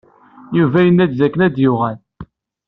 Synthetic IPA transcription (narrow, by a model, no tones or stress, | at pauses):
juvæjənːæd̪zækːənæd̪jʊʁæl